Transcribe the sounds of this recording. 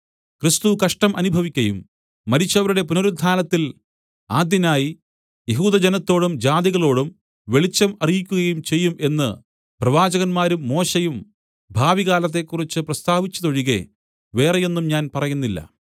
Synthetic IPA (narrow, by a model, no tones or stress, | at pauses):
krist̪ukɐʂʈɐmʔɐnubʱɐʋikʲːɐjṵmː | ɐɾit͡ɕːɐʋɐɾuɽe̞punoɾud̪ʱʰaːlɐt̪ːil | aːd̪jɐnaːji | je̞ɦuːd̪ɐd͡ʑenɐt̪ːo̞ːɽumd͡ʑaːd̪iɣɐɭo̞ːɽum | ʋe̞ɭit͡ɕːɐmɐrijikʲːuɣɐjumt͡ɕe̞jːume̞nːɨ | prɐʋaːd͡ʑɐɣɐnmaːɾumːo̞ːɕejum | bʱaːʋiɣaːlɐt̪̬ːe̞kːurit͡ɕːɨprɐst̪aːʋit͡ɕːɐðo̞ɻiɣe̞̰ | ʋe̞ːreje̞nːumɲaːnpɐrɐjunːilːɐ̰